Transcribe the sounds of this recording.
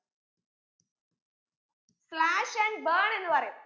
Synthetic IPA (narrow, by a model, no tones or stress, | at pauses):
slaʃɛ̃ɳɖ̚bəɳenʋaɾe